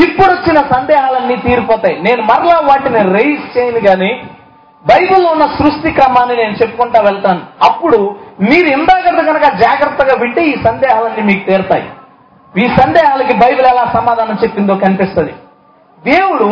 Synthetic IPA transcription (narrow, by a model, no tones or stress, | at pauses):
ipːuɽot͡ʃːinɐsɐnd̪ɛːɦaːlɐnːiːt̪iːɾipɔːt̪aːjine̞ːnumɐɾɐlaːʋaːʈiniɾeist͡ʃeːjiniɡaːniː | bɐjbulounːɐsɾuʂʈikɾɐmaːnːine̞ːnut͡ʃe̞pːu̥kuɳʈaːʋɛɭt̪aːnuɐpːuɽumiːɾuind̪aːkɐɾt̪ɐɡɐnɐkɐd͡ʒaːɡɾɐt̪ːɐɡaːʋiɳʈeːiːsɐnd̪ɛːɦaːlɐnːiːmiːkut̪eːɾt̪a̰ːjḭ | iːsɐnd̪ɛːɦaːlɐk̬ibɐjbulɛlaːsɐmaːd̪ʱaːnɐmt͡ʃe̞pːind̪oːkɐnipist̪ɐnd̪i | d̪eːwuɽu